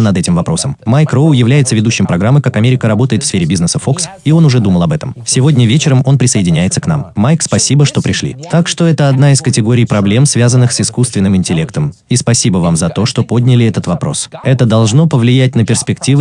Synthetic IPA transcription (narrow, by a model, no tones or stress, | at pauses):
nɐd̪ɛtʲɪmvɐpɾo̞səmmajkroʊjɪvlʲæjɪt̪səvʲɪd̪uɕːɪmpɾɐɡɾamːɨkakɐmʲeɾʲɪkəɾɐbo̞t̪əjɪt̪fsfʲeɾʲɪbʲiznəsəfo̞ks | io̞nʊʐɛd̪uməlˠɐbɛt̪əmsʲɪvo̞dʲnʲəvʲet͡ɕɪɾəmo̞npɾʲɪsəɪdʲɪnʲæjɪt̪səkn̪a̰mːajkspɐsʲibəʂt̪o̞pɾʲɪʂlʲḭt̪akʂt̪o̞ɛt̪əɐd̪naɪskətʲɪɡo̞ɾʲɪjpɾɐblʲe̞msvʲazənːɨxsɨskust̪vʲɪnːɨmɪnʲtʲɪlʲe̞kt̪əm | ispɐsʲibəvamzɐt̪o̞ʂt̪o̞po̞dʲnʲɪlʲɪɛt̪ət̪vɐpɾo̞̰sɛt̪əd̪ɐlˠʐno̞pəvlʲɪjæt̚ʲnəpʲɪrspʲɪktʲivɨ